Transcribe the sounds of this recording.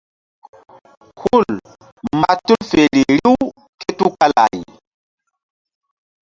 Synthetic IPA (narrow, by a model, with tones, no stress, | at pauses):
hu˦˨l | ma˨tu˦lfe˨li˨ɾi˦w | ke˦tu˦ka˦la̰˨j